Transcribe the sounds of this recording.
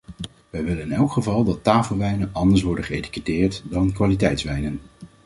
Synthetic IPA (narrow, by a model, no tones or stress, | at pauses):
ʋɛjʋɪlənɪnɛlˠkχəvɑlˠdɑtːaːfəlˠʋɛjnənʔɑndəɹs̬ʋɔɹdəχəejti̥kətɪːɹtdɑnkʋaːlitɛjtsʋɛjnən